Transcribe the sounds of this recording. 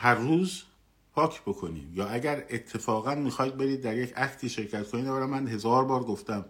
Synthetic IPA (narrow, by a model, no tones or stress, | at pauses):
hæɾːuːz | pʰɒːcʰb̥o̞kʰo̞nḭːd̪jɒːæɟæɾet̪ʰːe̞fɒːɣænmiːxɒːjd̪̚be̞ɾiːd̪̚ːæɾjecʰæcʰt̪ʰiːʃe̞ɾcʰæt̪kʰoniːd̪ææɾæmːænɦe̞zɒːɾbɒːɾɡoft̪æm